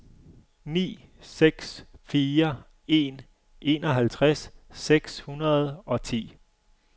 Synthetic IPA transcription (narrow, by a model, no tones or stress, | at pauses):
nḭːseɡ̥sfiːɐ | e̝ːn | ʔe̝ːnɒɦælt͡sʰʁasːeɡ̥shunɐð̞̩ˠɒ̽t͡sʰḭː